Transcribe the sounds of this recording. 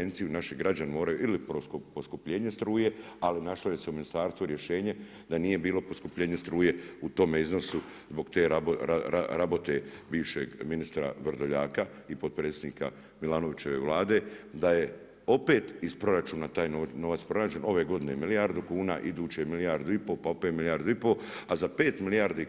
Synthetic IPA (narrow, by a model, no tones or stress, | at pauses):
ent̪sijunaʃiɡɾad͡ʒanemo̞ːɾajuʔilipoposkupʎe̞ːɲe̞st̪ɾuːje̞alinaʃloje̞se̞uminist̪aːɾst̪ʋuɾje̞ʃe̞ːɲe̞ | d̪anije̞biːlo̞po̞skupʎe̞ːɲe̞st̪ɾuːje̞ut̪o̞meizno̞su | zbo̞ɡt̪eːɾoaaɾabo̞t̪e̞biːʋʃḛɡminist̪ɾa̰ʋr̩ɾd̪oʎaːka | ipo̞d̪̚pɾe̞t̪sed̪niːka̰ | milaːno̞ʋit͡ɕe̞ʋe̞̰ʋlˠaːd̪e̞d̪aje̞ | o̞pe̞ːt̪ispɾo̞ɾat͡ʃuːnat̪aːjnono̞ʋat̪spɾo̞naːd͡ʒe̞no̞ʋe̞ːɡo̞d̪ine̞milijaɾd̪ukuːna̰ːʔid̪uːt͡ɕemilijaːɾd̪uipo̞paopet̪milijaːɾd̪uipo̞azapeːt̪milijaːɾd̪i